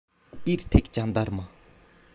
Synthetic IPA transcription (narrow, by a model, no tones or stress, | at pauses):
irt̪ʰek̚t͡ɕand̪arma